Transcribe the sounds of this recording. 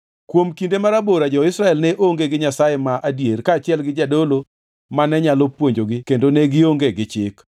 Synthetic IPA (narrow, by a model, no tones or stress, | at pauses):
kwomkindemaɾaboɾad͡ʒɔɪsɾaɛlnɛʔoŋɡeɡɪɲasajemaʔadjerkaːt͡ʃɪɛlɡɪd͡ʒadolo | manɛɲalɔpwoɲd͡ʒoɡɪkendonɛɡɪoŋɡeɡɪt͡ʃɪk